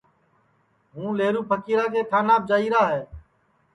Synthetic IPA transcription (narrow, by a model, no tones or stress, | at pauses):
ɦũːleːɾuːpʰəkiːɾaːkeːʈʰaːnaːb̚d͡ʒaːiːɾaːɦɛː